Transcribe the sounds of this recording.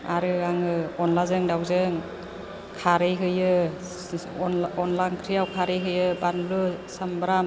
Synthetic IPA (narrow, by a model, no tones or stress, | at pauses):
a̰ɾɯaŋɯɔnlazɯŋdawzɯŋ | kʰaɾɯjɦɯjɯ | ɔnɔnlaŋkʰɾijawkʰaɾɯjɦɯjɯbanlɯsambɾam